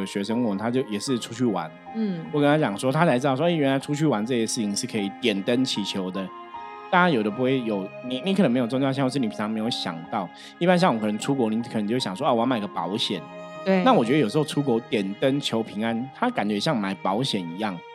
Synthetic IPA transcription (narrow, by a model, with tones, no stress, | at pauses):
ɕɥɛ˧˥ʂə˥˦ŋu˥˩ə˧˩nt̪ʰa˥t͡ɕjo˥˩ʊjɛ˨˩ʂɻ̩˥˩˨ʈ͡ʂʰu˥t͡ɕʰy˥˩wa̰˧˦n˥˩ | wɔ˨kə˥˦nt̪ʰa˥t͡ɕjɑ˨˩ŋʂwɔ˦˥t̪ʰa˥t͡sa˧ɪt͡sɻ̩˥d̪ɑ˥˧˩wɥɛ˧˥nla˧ɪʈ͡ʂʰu˥t͡ɕʰy˥˩wa˧˦nt͡sɤ˥˧˩ɕɛ˥˧ʂɻ̩˥˩t͡ɕʰi˨˩ŋni˨˩ʂ̩ɻ̩˥˩kʰə˧i˨˩t̪jɛ˨˩nt̪ə˦nt͡ɕʰi˨˥˩t͡ɕʰjo˧˦ʊd̪ə˨ | t̪a˥˩a˥jo˨˩ʊɾə˦˩p̬u˧˥xwe˥˩ɪjo˨˩ʊni˨ni˨˧kʰə˧˦ŋm˧˥jo˨˩t͡st͡ɕjʊ˩ɕĩ˥˧˥ʂ̩˥˩ni˨pʰi˨˩a˧˥ŋme˧˥ɪjo˧˩ʊɕjɑ̰˨˩ŋt̪ɑ˥˩ʊ | i˥˩pa˥nɕ̬ɑ˥˩˨ŋwɔ˨˩kʰnə˧ŋʈ͡ʂʰu˦˥kwɔ˧˥ni˨˩k̪ʰt͡ɕo˥˧˥jɑ˨ŋ˩swɔ˥ʔa˥˩wma˨˩˨ɡə˦˩pɑ̰˨˥ʊɕjɛ̰˨˩˦nwe˥˩na˥˨wɔ˨˩t͡ɕɥɛ˥ə˧o˨˩ʂ̩˧xʈ͡ʂʰu˦˥kwɔ˧˥t̪jɛ˨˩nt̪ə˦nt͡ɕʰjo˧˥ʊpʰi˧˥ŋa˦nt̪ʰa˦˥ka˨nt͡ɕɥɛ˧˥ɕ̬jɑ˥˩ŋma˨˩ɪpɑ˧˥ʊɕjɛ˨˩ni˧˥jɑ˥˩ŋ